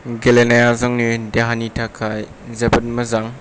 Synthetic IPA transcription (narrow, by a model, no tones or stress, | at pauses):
ɡelenajazaŋnideɦanitʰakʰaj | zɐbɐt̚mɐzaŋ